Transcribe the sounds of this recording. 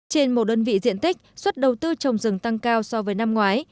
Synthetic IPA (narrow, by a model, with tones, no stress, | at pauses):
t͡ɕe˧nmo˨˩t̚ɗəː˧nvḭ˧˨zḭ˧˨ənt̪ï˦˥k̟̚swə˦˥t̚ɗə˨˩wt̪ɨ˧t͡ɕə˨˩wŋ͡mzɨ˨˩əŋt̪a˧ŋkaː˧wsɔ˧vəː˨˦jna˧mŋwaː˨˦j